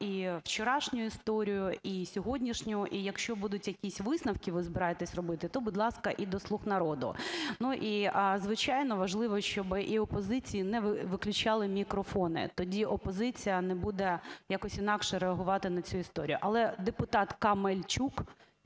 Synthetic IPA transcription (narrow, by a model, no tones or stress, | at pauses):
iwt͡ʃeɾɑʃnʲʊjʊist̪ɔɾʲijʊʔisʲɔɦɔdʲnʲiʃnʲʊʔijɐkʃt͡ʃɔbud̪ʊtʲjɐkʲisʲʋɪsnɐwkʲiʋɪzbɪɾɑjet̪ɛsʲrɔbɪt̪ɪt̪ɔbʊd̪ʲlˠɑskɐʔid̪ɔslˠuxnɐɾɔd̪ʊ̰nuʔizʋɪt͡ʃɑjnɔʋɐʒlˠɪʋɔʃt͡ʃɔbɪʔiɔpɔzɪt͡sʲijinɛʋʋɪklʲʊt͡ʃɑlˠɪmʲikɾɔfɔnɪ̰t̪ɔdʲiʔɔpɔzɪt͡sʲijɐnɛbud̪ɛjɑkɔsʲinɑkʃɛɾeɐɦʊʋɑt̪ɪnɐt͡sʲuist̪ɔɾʲijʊʔɐlˠɛd̪epʊt̪ɑt̪kɐmelʲt͡ʃuk